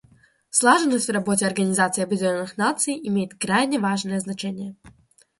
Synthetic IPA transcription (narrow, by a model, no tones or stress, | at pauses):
slˠaʐɨnːəsʲtʲvrabɔt͡sʲɛɐrɡɐnʲizat̪sɨiɐbɨd͡zʲɪlʲɔnːɨxnat̪sɨjimʲejɪt̪ʲkɾajnʲɛvaʐnɨjɛznat͡ʂɛnʲːjɛ